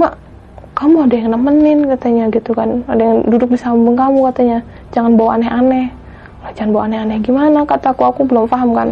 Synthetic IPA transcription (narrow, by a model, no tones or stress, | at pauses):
maʔ | kamuadajaŋənakmənɪnkat̪aɲaɡit̪ukanadajaŋdudʊk̚bisammbəŋkamukat̪aɲa | d͡ʒaŋanbawaanɛɦanɛh | lahd͡ʒaŋanbawaanɛhanɛhɡimanakat̪akuakubəlʊmfaɦamka̰n